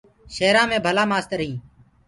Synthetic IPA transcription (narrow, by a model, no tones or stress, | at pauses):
ʃeːɾãːmẽːbʱəlaːmaːst̪əɾəɦĩː